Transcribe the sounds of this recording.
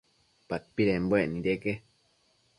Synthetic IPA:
pat̪̚piɾembweʔnĩɾeke

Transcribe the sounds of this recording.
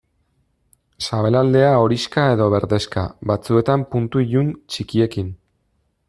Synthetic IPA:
saβe̞lald̪e̞ao̞ɾiskae̞ðo̞β̞e̞ɾðe̞ska̰βat͡sue̞t̪ampunt̪uiʎunt͡ʃikie̞kin

